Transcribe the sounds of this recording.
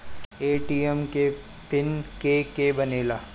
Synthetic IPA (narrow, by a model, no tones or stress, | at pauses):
eːʈiːɛmke | pɪnkeːkebɐneːlaː